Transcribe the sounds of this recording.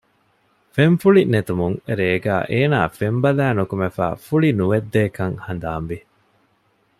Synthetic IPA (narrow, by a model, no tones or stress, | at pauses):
feɱfuɭinet̪umuŋɾeːɡæ̰ːʔeːnaːfembɐlæːnukumefæ̰ːfuɭinuʋed̪ːeːkɐŋhɐnd̪aːmʋi